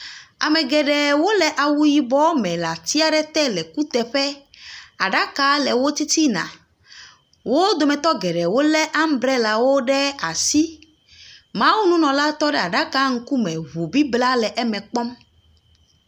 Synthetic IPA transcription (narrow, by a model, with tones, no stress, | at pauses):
a̰˨mɛ̃˨ɡɛ˨ɖɛ˨wo˦lɛ˨ʔa˨wu˦ji˨bɔ˦mɛ̃˨la˨t̪i˦a˨ɖɛ˦t̪ɛ˦lɛ˨ku˦t̪ɛ˨ɸɛ˦a˨ɖa˦ka˦lɛ˨wo˦t̪i˦t̪i˦nã̰˨ | wʔo˦d̪o˨mɛ̃˨t̪ɔ˦ɡɛ˨ɖɛ˨wo˦lɛ˦ʔa˦m̩˦bɾɛ˦la˨wo˦ɖɛ˦a˨si˦ | mã˦wu˦nũ˦nɔ̃˨la˦t̪ɔ˦ɖɛ˦˨a˨ɖa˦ka˦ŋ̩˦ku˦mɛ̃˨ɦu˨bi˦bla˦lɛ˨ʔɛ˦mɛ̃˨k͡pɔ˦m